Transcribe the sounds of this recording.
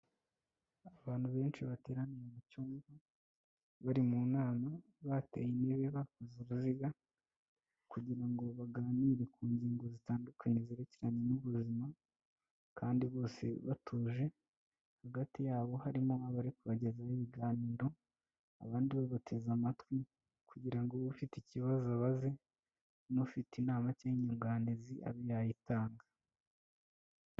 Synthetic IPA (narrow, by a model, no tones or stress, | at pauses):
aβaːn̥huβe̞ːnt͡ʃiβate̞ːɾanijemucuːŋɡa | βaɾimunaːna | βatḛjineβeβakuzuɾuziɡa | kuɟiɾaŋɡo̞βaɡaːniɾe̞kʰuːnziːŋɡozitaːndukʰaɲeziɾeceɾaɲe̞nuβuzima | kaːndiβo̞ːse̞̰βatʰuːʒe̞ | haɡatijaːβo̞haɾimo̞aβaɾikuβaɟe̞zahiβiɡaːniːɾo̞ | a̰βaːndiβeβatʰe̞zamatwi | kuɟiɾaŋɡoβufiticiβazaβaze̞ | nofitinaːmaceɲuŋɡaːneziʔa̰βijajitaːŋɡa